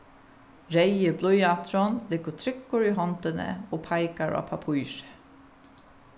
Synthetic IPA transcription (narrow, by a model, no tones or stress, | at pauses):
ɹɛɪəblɔʏɑt̪ʰɾɔnlɪɡət̪ʰɾɪkːʊɹiːɦɔnt̪ənə̰oːpʰɑɪkaɹa̰ːpʰɑpʰuːʃə̥